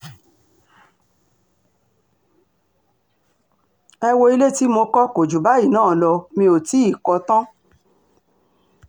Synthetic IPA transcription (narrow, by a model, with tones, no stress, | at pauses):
ɛ˧wo˧i˧le˦˨ti˦mo˧kɔ˦ko˨d͡ʒu˨ba˨˦i˦˨nãː˦˨lɔ˧mĩ˧o˨ti˨˦i˦˨kɔ˧tã˦